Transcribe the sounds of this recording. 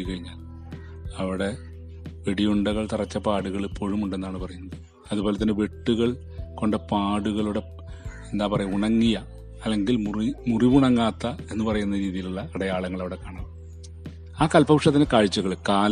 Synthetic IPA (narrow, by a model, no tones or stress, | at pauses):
kɐɻiɲːaːl | ɐʋiɽe̞ | ʋeɽijuɳɖɐɣɐɭt̪irɐt͡ɕːɐpaːɽuɣɐɭpːo̞ɻumuɳɖe̞nːaːɳɨpɐrɐjunːɐðɨ | ɐðubo̞ːlɐt̪ːɐnːeʋeʈːuɣɐɭ | ko̞ɳɖɐpaːɽuɣɐɭuɽe̞ | e̞nd̪aːpɐrɐjumuɳɐŋːijɐ | ɐlːe̞ŋɡilmimuriʋuɳɐŋːaːt̪ːɐe̞nːɨpɐrɐjunːɐɾiːðijiluɭːɐːɽɐjaːɭɐŋːɐɭɐʋiɽe̞kːaːɳaːm | aːkɐlpɐʋuʂɐt̪ːinekaːɻt͡ɕːɐɣɐɭkaːl